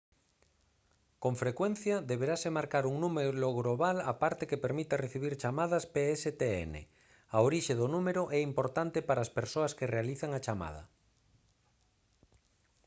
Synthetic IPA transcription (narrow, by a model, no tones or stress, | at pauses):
koɱfɾekwen̟θjaðeβeɾasemaɾkaɾuŋnũmeloɣɾoβ̞alapaɾt̪ekepeɾmit̪areθiβ̞iɾt͡ʃamað̞aspeeset̪eḛnḛ | aoɾiʃeðonũmeɾoʔɛimpo̞ɾt̪ant̪epaɾaːspeɾsoaskerealiθaŋat͡ʃama̰ð̞a̰